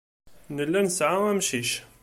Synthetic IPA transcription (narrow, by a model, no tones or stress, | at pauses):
nəlːænsʕaæmʃiʃ